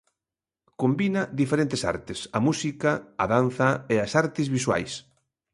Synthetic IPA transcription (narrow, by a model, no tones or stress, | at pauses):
kombinɐðifeɾent̪esa̰ɾt̪esɐmusikɐɐðan̟θɐeasaɾt̪ɪzβiswa̰js